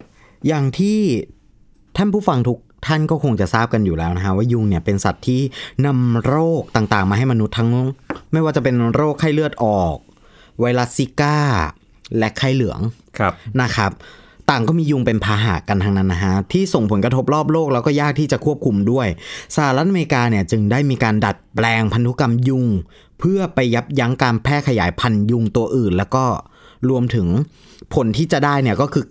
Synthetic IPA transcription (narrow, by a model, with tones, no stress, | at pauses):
jaː˨˩ŋt̪ʰiː˥˩ | t̪ʰa˥˩npʰuː˥˩fa˧ŋt̪ʰu˦˥k̚t̪ʰa˥˩nkɔː˥˩kʰo˧ŋt͡ɕa˨˩saː˥˩p̚ka˧njuː˨˩lɛː˦˥wna˦˥kʰa˦˥waː˥˩ju˧ŋni˥˩ɐpe˧nsa˨˩t̪ʰːiː˥˩na˧mɾoː˥˩k̚t̪aː˨˩ŋt̪aː˨˩ŋmaː˧ɦa˥˩jma˧nu˦˥t̪ʰːa˦˥ŋlŋma˥˩jwaː˥˩t͡ɕa˨˩pe˧nɾoː˥˩kʰːaː˥˩jlɯ˥˩ət̪̚ʔɔː˨˩k̚ | wa˦˥jla˦˥si˦˥kaː˥˩ | lɛ˦˥kʰːa˥˩jlɯ˩˦əŋkʰna˦˥kʰɾa˦˥p̚t̪aː˨˩ŋkɔː˥˩miː˧ju˧ŋpe˧npʰaː˧ɦa̰ː˨˩˦ka˧nt̪ʰaː˧˥ŋna˦˥nːa˦˧kʰa˦˥t̪ʰiː˥˩so˨˩ŋpʰo˩˦nkɾa˧t̪ʰo˦˥p̚lɔː˥˩p̚loː˥˩k̚lɛ˦˥wkɔː˥˩jaː˥˩k̚t̪ʰiː˥˩t͡ɕa˨˩kʰu˥˩əp̚kʰu˧mdu˥˩əjsa˧ha˧ɾa˦˥t̪̚ʔa˧me˧ɾi˧kaː˧ni˥˩ɐt͡ɕɯ˧ŋdaː˥˩jmiː˧kaː˧nda˨˩t̪̚plɛː˧ŋpʰa˧nt̪u˦˥ka˧mju˧ŋ | pʰɯ˥˩ɐpa˧jːa˦˥p̚ja˦˥ŋkaː˧npʰɛː˥˩kʰa˧jaː˩˦jpʰa˧nju˧ŋt̪u˧ɐʔɯː˨˩nlɛː˦˥wkɔː˥˩ɾu˧əmt̪ʰɯ˩˦ŋ | pʰo˨˦nt̪ʰiː˥˩t͡ɕa˨˩daː˥˩jni˥˩ɐkɔː˥˩kʰɯː˧